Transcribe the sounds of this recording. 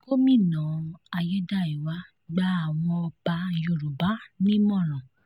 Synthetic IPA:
ko˦mĩ˦˨nã˨˦a˧jɛ˦da˦˨i˨wa˦ | ɡ͡ba˦a˨w̃ɔ̃˧ɔ˧ba˧jo˧˨ɾu˨ba˨˦nĩ˦mɔ̃˦˨ɾ̃ã˨

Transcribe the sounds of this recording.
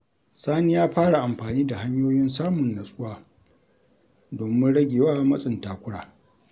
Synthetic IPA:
saː˦ni˦jaː˦ɸaː˦ɽa˨ʔa˨mɸaː˨niː˦da˨ha˦ɲjoː˦jɪ˦nsaː˦mʊ˨nːɐ˨sʼʊ˦waː˦˨ | doː˨mɪ˦nɽɐ˦ɡʲeː˨waː˦mɐ˦sʼɪ˨ntaː˨kʷʊ˦ɽaː˨

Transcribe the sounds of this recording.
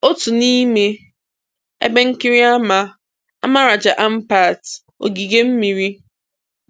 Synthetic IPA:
o˦tu˨ni˦me˦ | ḛ˦be˦ŋ̩˦ki˦ɾi˦a˦ma˨ | a̰˦ma˦ɾa˨d͡ʒa˨ʔa˦m̩˦pa˨t | o̰˨ɡi˨ɡe˦m̩˦mi˨ɾi˦

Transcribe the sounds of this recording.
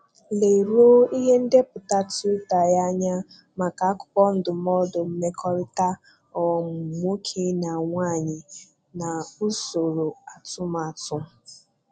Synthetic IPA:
le˨i˨ɾo˦i˦ɦe˦n̩˦de˦pʊ˨ta˦tu˦ta˨ja˦ɲa˦ | ma˨ka˨a˦kʊ̥˨˦pɔ˦n̩˦dʊ˨m˦ɔ˦dʊ˨m̩˦me˦kʰɔ˦ɾɪ˦ta˦ | ɔ˨m̩˨mo˦kʰe˦na˨ŋʷa˦˨ɲɪ˨ | na˨u˦so˨ɾo˨a˨tʊ˦ma˨tʊ˦

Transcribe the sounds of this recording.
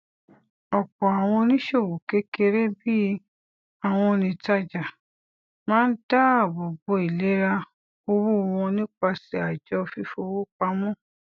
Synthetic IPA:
ɔ˨k͡pɔ˨a˨w̃ɔ̃˧nĩ˦ʃe˦˨wo˨ke˦ke˧ɾe˦bi˦ | a˨w̃ɔ̃˧nĩ˧ta˧d͡ʒa˨ | mãː˦n̩˦da˦˨a˨bo˨bo˧i˨le˨˦ɾa˧ | o˧wo˦˧wɔ̃˧nĩ˦k͡pa˧si˧˦a˨d͡ʒɔ˧fi˧˦fo˧wo˦k͡pa˧˦mɔ̃˦˨

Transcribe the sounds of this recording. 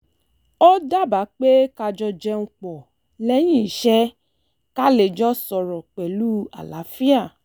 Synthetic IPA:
ɔ˦da˦˨ba˨˦k͡pe˦ka˧d͡ʒɔ˧d͡ʒɛ˧ŋũ˧k͡pɔ˨ | lɛ˦j̃ĩ˦˨i˨ʃɛ˦ | ka˦le˨d͡ʒɔ˦sɔ˧ɾɔ˨k͡pɛ˨lu˦a̰˨la˨˦fi˦a˦˨

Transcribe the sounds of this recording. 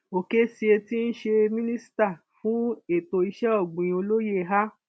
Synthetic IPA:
o˨ke˦si˧e˧ti˦n̩˦ʃe˧mĩ˦nĩ˦si̥˦ta˦˨ | fũ˦e˦˨to˧i˧ʃɛ˦ɔ˦˨ɡ͡bũ˨j̃o˧lo˦je˦˧˨ɦa˦

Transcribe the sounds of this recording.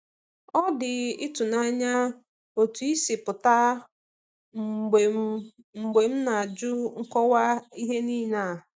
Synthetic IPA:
ɔ˦dɪ˨ɪ˦tu˨na˦ɲa˦ | o˨tu˨i˦sɪ˨pʊ˨ta˦˨ | ɡ͡be˨ | ŋ͡m̩˨ɡ͡be˨m̩˦na˨a˨d͡ʒʊ˦ŋ̩˦kɔ˦wa˦i˦ɦe˦niː˦na˦˨

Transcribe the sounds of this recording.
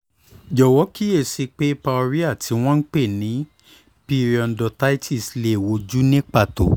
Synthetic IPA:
d͡ʒɔ˨wɔ˨˦ki˦e˦˨si˧k͡pe˦pa˧o˧ɾi˦a˦˨tʰi˨˧˦w̃ɔ̃˦n̩˦k͡pe˦˨nĩ˨˦ | pi˧ɾi˨ɔ˨ndɔ˨˧ta˦i˦tʰi˦˨sle˨wo˧d͡ʒu˦nẽ˦k͡pa˧˨to̰˨

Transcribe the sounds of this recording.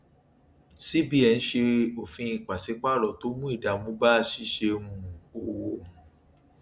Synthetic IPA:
si˦bi˦ɛ˨˧n̩˦ʃe˧o˨fĩ˧i˧˨k͡pa˨se˨˦k͡pa˦˨ɾɔ˨to˨˦mũ˦i˦˨da˨mũ˨˦ba˦˧˨ʃi˦ʃe˧mũ˧o˨wo˨

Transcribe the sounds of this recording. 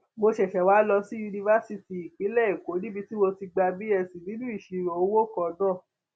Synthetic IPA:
mo˧ʃɛ˨ʃɛ˨wa˨˦lɔ˧si˦ju˧nĩ˧va˦si˧ti˨i˨ki˨˦lɛ˦˨i˨ko˨˦nĩ˦bi˧ti˦wo˧ti˧ɡ͡ba˧bi˦ɛ˦˧˨si˨nĩ˨˦nũ˦i˦˨ʃi˧ɾo˨o˧˦wo˦kɔ˧˨dãː˦˨

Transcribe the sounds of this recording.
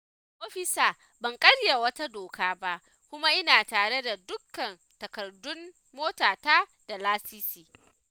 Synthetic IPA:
ʔoː˦ɸɪ˦saː˨ | bɐ˨ŋkʼɐ˦ɽja˨wɐ˦ta˦doː˨kaː˦ba˦ʔ | kʷʊ˦ma˦ʔɪ˦naː˨taː˨ɽe˦da˨dʊ˦kːɐ˨n | tɐ˨kɐ˨rdʊ˦mː | oː˦taː˨taː˦ | d̥a˨laː˦siː˦siː˨

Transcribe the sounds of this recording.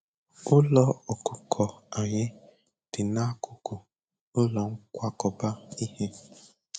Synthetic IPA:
ʊ˦lɔ˦o˨ku˨kʰɔ˨a˨ɲɪ˦ | d̥ɪ˨na˦kʊ˨ku˨ | ʊ˦lɔ˨ŋ̩˦kʷa˦kɔ˨ba˦i˦he˦

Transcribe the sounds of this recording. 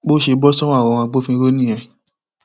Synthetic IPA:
k͡po˦ʃe˧bɔ˦sɔ̃˦a˦˨ɔ̃˨˧wã˧ɡ͡bo˦fĩ˧ɾo˦nĩ˦jɛ̃˧

